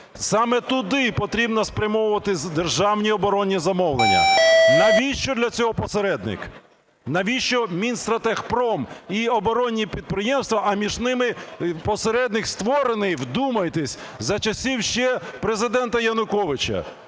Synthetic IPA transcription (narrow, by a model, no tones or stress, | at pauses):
sɑmɛt̪ʊd̪ɪpɔt̪ɾʲibnɔspɾʲɐmɔwʊʋɐt̪ɪd̪erʒɑwnʲiɔbɔɾɔnʲːizɐmɔwlˠenʲːɐ̰nɐʋʲiʃt͡ʃɔd̪lʲɐt͡sʲɔɦɔpɔseɾɛd̪nɪ̰k | nɐʋʲiʃt͡ʃɔmʲinst̪ɾɐt̪ɛxpɾɔmiɔbɔɾɔnʲːipʲid̪̚pɾɪjɛmst̪ʋɐʔɐmʲiʒnɪmɪpɔseɾɛd̪nɪxst̪ʋɔɾenɪjwd̪umɐjt̪ɪsʲ | zɐt͡ʃɐsʲiwʃt͡ʃɛpɾezɪd̪ɛnt̪ɐjɐnʊkɔʋɪt͡ʃɐ̰